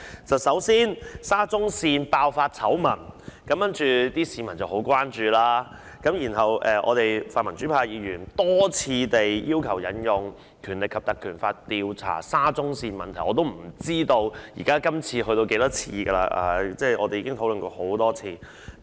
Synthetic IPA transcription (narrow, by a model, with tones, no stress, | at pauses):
t͡sɐ˨wsɐ˨˥wsiː˥nsaː˥t͡sʊ˥ŋsiː˧npaː˧wfaː˧t̚t͡sʰɐ˨˥wmɐ˨˩nkɐ˨˥mkɐ˥nt͡ʃyː˨t̪iː˥siː˨˧mɐ˨˩nt͡sɐ˨who˨˥wkʷwaː˥nt͡ʃyː˨laː˥ | kɐ˨˥mji˨˩nɦɐ˨˩wɛː˨ʔɔ̰ː˨˧t̪e˨jfaː˨nmɐ˨˩nt͡ʃy˨˥pʰaː˧jjiː˨˧jyː˨˩nt̪ɔː˥t͡sʰiː˧t̪e˨jjiː˥wkʰɐ˨˩wjɐ˨˥njʊ˨˧ŋ | kʰyː˨˩nlɪ˨kʰːɐ˨p̚t̪ɐ˨˩kʰyː˨˩nfaː˧t̚t̪iː˧wt͡sʰa̰ː˨˩saː˥t͡sʊ˥ŋsiː˧nmɐ˨nt̪ʰɐ˨˩ɔː˨˧t̪̬o˥wm̩˨˩t͡siː˥t̪o˧wjḭ˨˩kaː˥kɐ˥mt͡sʰiː˧ɦɵ˧t̪o˧ke˨˥jt̪ɔː˥t͡sʰiː˧ɡə˧la̰ː˧ʔa̰ː˨˧t͡sɛː˥˩ʔɔ̰ː˨˧t̪e˨jiː˧˥ɪ˥ŋt̪ʰo˨˥wlɵ˨nkɔː˧ho˨˥wt̪ɔː˥t͡sʰiː˧